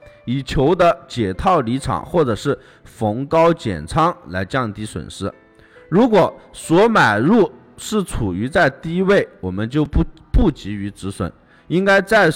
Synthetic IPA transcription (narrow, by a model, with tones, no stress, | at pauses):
i˨˩t͡ɕʰjo˧˥ʊd̪ə˧t͡ɕjɛ˨˩t̪ʰɑ˥˩ʊli˧˥ʈ͡ʂʰɑ̰˨˩˦ŋxwɔ˥˩ʈ͡ʂɤ˨˩ʂɻ̩˥˩ | fɤ˧˥ŋkɑ˥ʊt͡ɕjɛ̰˨˩nʈ͡ʂʰɑ˥ŋla˧˥ɪt͡ɕjɑ˥˩ŋt̪i˧˥swə̰˨˩nʂɻ̩˥˩ | ɻu˧˥kwɔ˨˩swɔ˧˥ma˨˩ɪɻu˥˩ | ʂɻ̩˥˩t͡sʰu˨˩y˧˥t͡sa˥˧ɪt̪i˥˧i˥we˥˩ɪwɔ˨˩mə˦nt͡ɕjo˥˧ʊ˥ | pu˥˩t͡ɕi˧˥y˧˥ʈ͡ʂɻ̩˧˥swə̰˨˩˦n | i˥ŋka˥ɪt͡sa˥˩ɪ